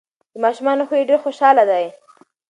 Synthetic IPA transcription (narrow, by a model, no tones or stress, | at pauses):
d̪̥əmɑʃumɑnoxoeɖeɾxoʃɑlad̪aj